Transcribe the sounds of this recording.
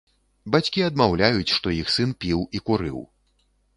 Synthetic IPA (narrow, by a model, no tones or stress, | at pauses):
bat͡sʲkʲiɐd̪mawlʲajut͡sʲʂt̪ɔjixsɨnpʲiwikuɾɨ̰w